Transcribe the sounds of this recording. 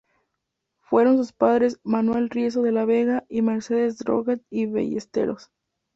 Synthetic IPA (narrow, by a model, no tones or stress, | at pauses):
fwe̞ɾo̞ns̬uspaðɾe̞smanwe̞lrjes̬oðe̞laβe̞ɣaʔime̞ɾse̞ðe̞zd̪ɾo̰ɣat̪iβḛʝḛst̪e̞̰ɾo̞s